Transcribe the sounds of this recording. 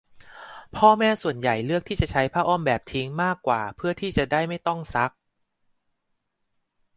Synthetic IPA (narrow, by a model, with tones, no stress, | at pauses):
pʰɔː˥˩mɛː˥˩su˨˩ənja˨˩jlɯ˥˩ək̚t̪ʰiː˥˩t͡ɕa˨˩t͡ɕʰa˦˥jpʰaː˥˩ʔɔː˥˩mbɛː˨˩p̚t̪ʰi˦˥ŋmaː˥˩kːwa̰ː˨˩pʰɯ˥˩ət̪ʰiː˥˩t͡ɕa˨˩daː˥˩jma˥˩jt̪ɔ˥˩ŋsa˦˥k̚